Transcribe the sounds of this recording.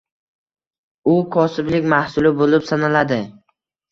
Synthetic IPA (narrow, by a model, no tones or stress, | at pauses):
ʊkʰɒsɪblɪkʲmahsʊlɪbolɪpsanalad̪ɪ